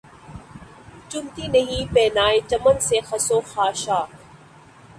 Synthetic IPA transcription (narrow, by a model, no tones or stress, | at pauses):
t͡ʃʊnt̪inɐɦĩpɛːnaːet͡ʃɐmənsexɐsoxaːʃaːk